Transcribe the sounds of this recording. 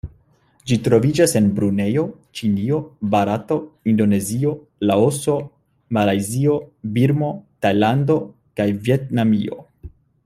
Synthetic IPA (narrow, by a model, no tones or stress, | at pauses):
d͡ʒitɾo̞vid͡ʒase̞nbɾune̞jo̞ | t͡ʃinio̞baɾato̞indo̞ne̞zio̞ | laoso̞ | malajzio̞biɾmo̞tajlando̞ | kajvje̞tnamio̞̰